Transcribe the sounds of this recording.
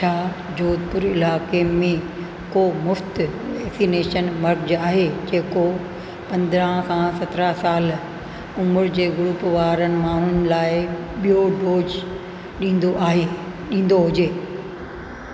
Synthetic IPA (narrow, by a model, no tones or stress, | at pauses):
t͡ɕʰaː | d͡ʑoːd̪̚pʊɾɪlaːkemẽ | komʊft̪ʋɛːksineːʃənmɐɾkd͡ʑaːɦed͡ʑeːko | pɐ̃nd̪ɾə̃ɦkʰãsɐt̪ɾasaːl | ʊmʊɾd͡ʑeːɡʊɾupʋaːɾənɪ̆maːɳ̤ʊnɪ̆laːɪ | ɓijoɖoːd͡ʑ | ɗĩːnd̪oʔaːɦe | ɗĩːn̆d̪oɦʊd͡ʑeː